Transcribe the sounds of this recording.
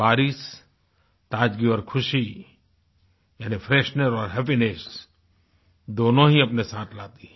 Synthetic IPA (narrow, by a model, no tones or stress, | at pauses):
baːɾis | t̪aːd͡ʒɡiɔːɾkʰʊʃi | jaːnipʰɾeːʃnəɾɔːɾɦɛpinɪs | d̪oːnõɦiɐpnesaːt̪ʰlaːt̪i